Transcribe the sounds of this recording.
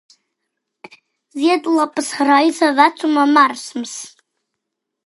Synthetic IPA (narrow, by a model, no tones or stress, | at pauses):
ziadlapʼsrajsavat͡sʰumamarsms